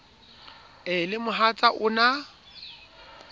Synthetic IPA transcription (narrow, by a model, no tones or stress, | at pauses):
ɪlɪmʊɦat͡sʼaʔʊna